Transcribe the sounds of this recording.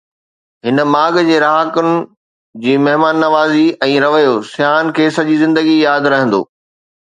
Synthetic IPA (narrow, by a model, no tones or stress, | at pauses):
ɦɪnə̆maːɡd͡ʑeːɾaːɦakʊnɪ̆ | d͡ʑiːmɐɦmaːnːɐʋaːziɛ̃ːɾɐʋəjosjaːnkʰeːsɐʄizɪ̃nd̪əɡijaːd̪ɾɐɦə̃nd̪o̰ː